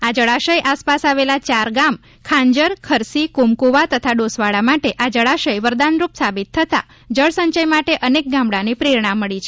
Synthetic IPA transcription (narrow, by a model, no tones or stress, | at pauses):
ad͡ʒəɭaʃəjʔaspasaʋelat͡ʃaɾɡam | kʰãɲd͡ʒəɾkʰəɾsikumkuʋat̪ət̪ʰaɖosʋaɭamaʈeʔad͡ʒəɭaʃəjʋəɾd̪anɾupsabit̪ʰːət̪a̰ | d͡ʒəɭsəɲt͡ʃəjmaʈeʔənek̚ɡãmbɽanipɾiɾɳãmːəɭit͡ʃʰe